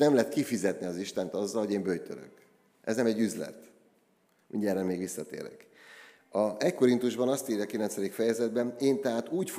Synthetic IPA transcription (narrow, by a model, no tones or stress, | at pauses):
nɛmlɛɦɛt̪̚kifizɛt̪niɒziʃt̪ɛnt̪ɒzːɒlho̞ɟeːmbøjt̪ø̰ɾø̰k | ʔɛ̰znɛmɛɟːyzlɛ̰t̪ | mḭɲɟɛɾɛlmeːɡʋisːɒt̪ḛːɾɛ̰k | ɒɛcko̞ɾint̪uʒbɒnɒst̪iːɾjɒkilɛnsɛd̪ikfɛjɛzɛd̪bɛneːnt̪ɛɦaːt̪uːcf